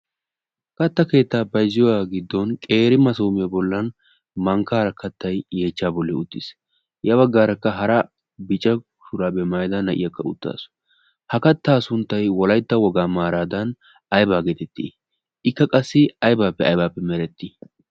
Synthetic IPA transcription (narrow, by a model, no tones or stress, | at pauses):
kɐt̪ːɐke̞ːt̪ːaːbɐjzːɪjɔwaːɡɪd̪ːɔnkʼe̞ːɾɪmɐsuːmɪjɐbɔlːɐn | mɐŋkaːɾɐkɐt̪ːɐjje̞ːt͡ʃːaːbɔlːɛʊt̪ːɪs | jɐbɐɡːaːɾɐkːɐɦɐɾɐ | bɪt͡ʃʼːɐʊ̥ʃʊɾaːbɛmaːjd̪ɐnɐʔɪjɐkːɐʊ̰t̪ːa̰ːsʊ̥ | hɐkɐt̪ːaːsʊnt̪ːɐjwɔlɐjt̪ːɐwɔɡaːmaːɾaːd̪ɐn | ɐjbaːɡeːt̪ɛt̪ːḭ | ɪkːɐkʼɐsːɪɐjbaːpːɛɐ̰jbaːpːɛmɛɾɛt̪ːɪ